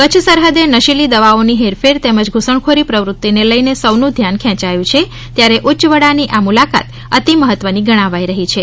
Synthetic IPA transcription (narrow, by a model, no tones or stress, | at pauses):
kət͡ʃʰsəɾɦəd̪enəʃilid̪əʋaoniɦeɾfeɾt̪eməd͡ʒɡʱusəɳkʰoɾipɾəʋɾut̪ːineləjnesəʋnũd̪ʱjankʰɛ̃t͡ʃajũt͡ʃʰe | t̪jaɾeʔut͡ʃʋəɽaniʔamulaka̰t̪ | ət̪iməɦət̪ːʋəniɡəɽ̃ãʋajɾəɦit͡ʃʰe